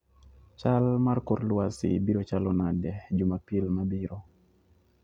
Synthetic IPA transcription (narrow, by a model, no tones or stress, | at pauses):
t͡ʃalmarkoɾlwasɪ̰biɾot͡ʃalɔnandɛd͡ʒumapilmabiɾɔ